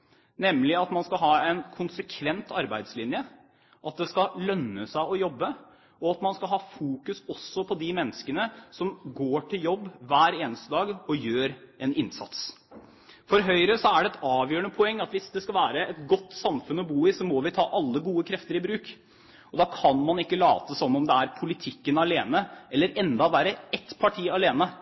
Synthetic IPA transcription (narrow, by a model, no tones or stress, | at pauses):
nɛmːlɪɑt̪mɑnskɑɦɑːɛnkʰʊnsəkʰʋɛnt̪ʰɑɾbæɪd̪slɪnjə | ʔɑt̪̚d̪ɛskɑlœnːəsæɪɔjɔbːə | ɔɑt̪mɑnskɑlɦɑːfuːkʉsɔsːɔpʰɔd̪ɪmɛnːəskənəsɔmɡoːʈʰɪljɔbːʋæːɾeːnəst̪əd̪ɑːɡɔjøːɾɛnɪnsɑ̰t̪s | fɔɾɦœʏɾəsɔæɖɛɛt̪ɑːʋjøːəɳəpʰɔɛŋːɑt̪ʋɪsd̪ɛskɑlʋæːɾəɛt̪ɡɔt̪ːsɑmfʉnɔbuːɪsɔmɔʋɪt̪ʰɑːʔɑlːəɡuːəkʰɾɛft̪əɾɪbɾʉːk | ɔd̪ɑkʰɑnmɑnɪkːəlɑːt̪əsɔnːɔmd̪ɛæɾpʰʊlɪt̪ʰɪkːənɑleːnəɛlːəɾɛnd̪ɑʋæːɾəɛt̪pʰɑʈʰiːɑleːnə